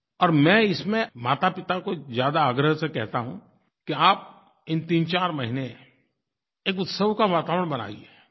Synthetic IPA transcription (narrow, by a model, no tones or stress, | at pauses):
ɔːɾmɛ̃ːɪsmẽmaːt̪apɪt̪akozjaːd̪aːɡɾəɦsekɛɦt̪aɦũ | kiaːp̚ | ɪnt̪iːnt͡ʃaːɾmɐɦɪne | eːk̬ʊt̪səwkaʋaːt̪aːʋəɳ̃bɐna̰ːɡieː